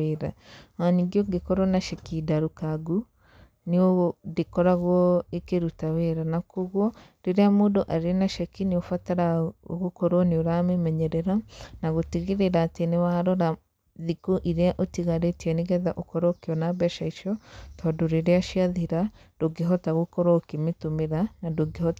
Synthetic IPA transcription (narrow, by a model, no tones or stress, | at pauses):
eɾawaɲiɡjoɡekɔɾɔnaʃɛkidaɾukaɡu | niodekɔɾaɣwɔekeɾutaweɾanakoɣwɔ | ɾeɾeamoːdoʔaɾenaʃɛkiniofataɾao̰ɣokoɾwɔneoɾamɛmɛɲɛɾɛɾanaɣoteɣeɾeɾaːtenewaːɾɔɾa | ðikoʔiɾeaʔotiɣaɾetiɛniɣɛðaʔokɔɾɔokeɔnabɛʃaiʃɔtʰɔːdoɾeɾeaʃiaðiɾa | d̥oɡeɦɔtaɣokɔɾɔkemetomeɾanadoɡehɔ